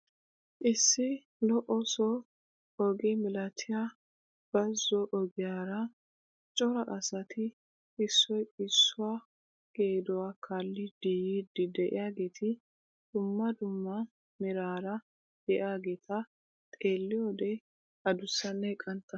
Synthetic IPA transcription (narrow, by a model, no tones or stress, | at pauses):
ʔɪsːɪ | lɔʔɔsɔ | ɔɡɛmɪlɐt̪ʰɪja | b̥ɐzːɔʔɔɡɪjaːɾɐ | t͡ʃʼɔɾɐʔɐsɐt̪ʰɪː | sːɔjɪsːʊwaː | ɡ̥eːd̪ɔwakʰaːlːɪd̪̥iːjiːd̪ɪd̪ɛʔɪ̰jaːɡeːt̪ʰɪ | d̪̥ʊmːɐd̪ʊmːɐ | mɪɾaːɾɐ | dɛʔaːɡeːt̪ʰɐ | t̪ʼe̞ːlːɪjɔd̪ɛ | ɐd̪ʊsːɐnːɛkʼɐnt̪ːɐ